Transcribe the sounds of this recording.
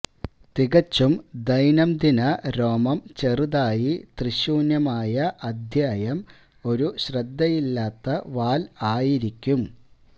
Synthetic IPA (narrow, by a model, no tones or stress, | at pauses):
t̪iɣɐt͡ɕːumd̪ɐjnɐmd̪inɐɾo̞ːmɐmt͡ɕeruðaːjit̪riɕuːnjɐmaːjɐʔɐd̪ʱjaːjɐm | o̞ɾuɕrɐd̪ːɐjilːaːt̪ːɐʋaːlaːjiɾikʲːum